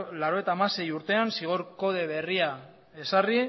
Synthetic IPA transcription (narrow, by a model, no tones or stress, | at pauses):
laɾo̞et̪aːmase̞juɾt̪e̞ansiɣ̞oɾko̞ð̞e̞βe̞ria | e̞sari